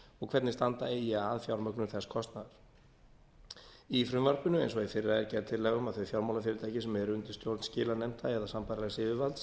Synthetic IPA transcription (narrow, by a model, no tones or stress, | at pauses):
ɔɣkʰv̥ɛt̪nɪst̪ant̪aeːjɪaaðfjawɾmœknʏɾθɛskʰɔst̪naðaɾ̥ | ifɾʏmvaɾpʏnʏejns̬ɔɣifɪɾɪɾaðɛɾcɛɾt̪ʰɪlːɛːɣʏmaðθœɥfjawɾmawlafjɪːɾɪt̪ʰaːjcɪsmɛðɾʏnt̪ɪ̥st̪jowɾt̪n̥scɪːlanɛm̥t̪ʰaɛɾðasampajɾalɛɣsɪvɪvalt̪s